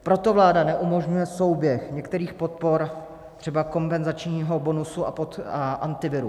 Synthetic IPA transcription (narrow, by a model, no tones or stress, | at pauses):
pɾo̞t̪o̞vlaːdanɛʔumo̞ʒɲujɛso̞wbjɛxɲɛkt̪ɛɾiːxpo̞t̪̚po̞ɾ | t̪r̝̥ɛbako̞mpɛnzat͡ʃɲiːɦo̞bo̞nusua̰pot̪aʔant̪ɪvɪɾu